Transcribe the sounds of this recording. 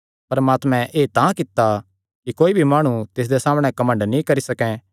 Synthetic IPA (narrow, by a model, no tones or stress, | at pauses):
pɐɾmaːt̪mɛ̃ʔeːt̪ãkɪt̪ːa | kikoːibʱimaːɽ̃ũt̪ɪs̬d̪esaːmɽ̃ɛ̃kɐmə̃ɳɖnĩkɐɾisɐkɛ̃